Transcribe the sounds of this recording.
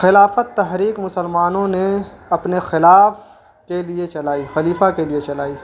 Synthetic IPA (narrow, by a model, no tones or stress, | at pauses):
xɪlaːfət̪ːɐɦɾiːkmʊsəlmaːnõneɐpnexɪlaːf | keliet͡ʃɐlaːixɐliːfakeliet͡ʃɐlaːiː